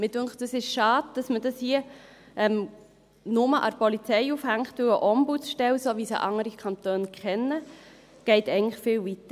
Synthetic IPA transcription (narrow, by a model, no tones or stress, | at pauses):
mɪd̥ʉŋkt̚d̥əsɪʃʃɑːd̚d̥ɑsmədɑshiə | ʔɛm | nʊməʔɑ̰ɾpɔlit͡sɛɪufhæŋχtʋɪwəʔɔmbutt͡sʃtɛlsoːʋisḭʔɑŋːəɾikʰχɑntøːnkχɛnːə | ɡ̥ɛɪtɛɪŋnləχfɪːlʋitə